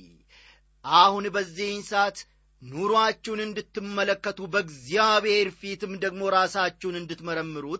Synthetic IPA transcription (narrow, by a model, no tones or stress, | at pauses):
ʔahʊnbəzːihɪnsat̪ | nuɾoat͡ʃːɛwnɨnd̪ɨt̪ːɨmːələkːət̪ʰubəɡzijaβheɾfit̪ɨmd̪əɡmo̞ɾaːsat͡ʃːɛwnɨnd̪ɨt̪məɾəmːɨɾut̪